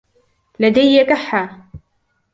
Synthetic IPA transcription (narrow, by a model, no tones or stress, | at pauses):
lad̪ajːakaħːa